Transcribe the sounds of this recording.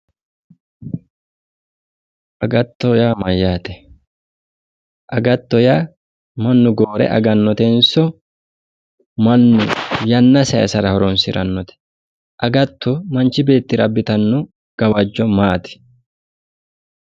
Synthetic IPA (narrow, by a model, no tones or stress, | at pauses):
ʔɐɡɐt̪ːɔjaːmɐjːaːt̪ɛ̥ | ʔɐɡɐt̪ːɔjaː | mɐnːʊɡoːɾɛ̰ʔɐ̰ɡɐnːɔt̪ɛnsɔ | mɐnːʊjɐnːɐsɐɛ̰sɐɾɐhɔɾɔnsɪɾɐnːɔt̪ɛ̥ | ʔɐɡɐt̪ːɔmɐnt͡ʃɪbe̞ːt̪ːɪɾɐbːɪt̪ɐnːʊ | ɡ̥ɐwɐd͡ʒːɔmaːt̪ɪ̥